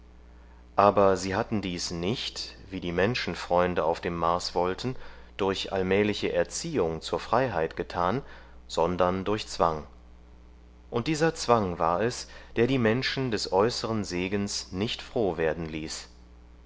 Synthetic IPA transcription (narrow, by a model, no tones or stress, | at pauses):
ʔaːbɐziːɦatn̩diːsnɪçtv̥iːdiːmɛnʃn̩fʁ̥ɔʏndəʔaʊfd̥eːmːaɐsv̥ɔltʰn̩ | d̥ʊɐçʔa̰lmɛːlɪçəʔɛɐt͡siːʊŋt͡suːɐfʁ̥aɪɦaɪtɡ̥ətʰaːn | z̥ɔndɐndʊɐçt͡sv̥aŋ | ʔʊnt̚d̥iːzɐt͡sv̥aŋva̰ːɐɛsd̥eːɐɾiːmɛnʃn̩dɛsʔɔʏsəʁənzeːɡənsnɪçtfʁ̥oːveːɐdn̩liːs